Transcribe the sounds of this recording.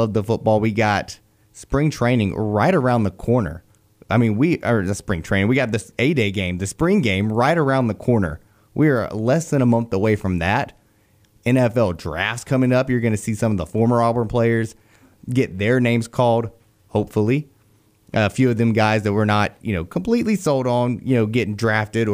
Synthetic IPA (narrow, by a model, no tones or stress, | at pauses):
ʌvðəfʊt̚b̥ɔlˠwiɡɑt | spɹɪ̃ŋtʰɹ̥ẽɪ̃nɪ̃ŋɹaɪɾə˞ãʊ̃nðəkʰɔɹnə̰˞ | ʔaɪmĩnwiʔə˞ɨspɹɪ̃ŋtʰẽɪ̃ñwiɡɑt̪̚ðiseɪdeɪɡẽɪ̃mðɨspɹɪ̃ŋɡẽɪ̃mɹaɪɾə˞ãʊ̃nðəkʰɔɹnə̰˞ | wʔiə˞lɛsðɨ̃ñəmʌ̃nθəweɪfɹʌ̃mðæɾ | ɛ̃nɛfɛlˠdɹæ̰ftskʰʌ̃mɪ̃ŋʌpjə˞ɡʌnɨsisʌ̃mʌvðəfɔɹmə˞ɑlˠbə̃˞mpʰl̥eɪə˞z | ɡɛt̪̚ðə˞nẽɪ̃mz̥kʰɔlˠd̥̚ | hoʊpfl̩ˠi | ʔʌfjʉʌvðɨ̃mɡaɪzðɨt̚wə˞nət̚jɨ̰noʊkʰm̩pʰl̥itˡlisolˠdn̩jɨ̰noʊɡɛɾɪ̃ŋdɹæftɪɾə